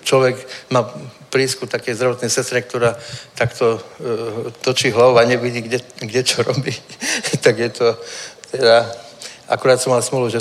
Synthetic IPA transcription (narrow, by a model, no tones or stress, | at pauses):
t͡ʃlɔʋɛɡmaːpɾiːskut̪akɛjzd̪ɾaʋɔt̪nɛjsɛst̪ɾɛk̚t̪ɔɾaːt̪akt̪ɔ | t̪ɔt͡ʃiːɦlaʋuaɲɛʋiɟiːɡɛɡɟɛt͡ʃɔɾɔbiːt̪aɡjɛt̪ɔt̪ɛd̪a | ʔa̰kuɾaːt̪sɔmalsmuluʒɛ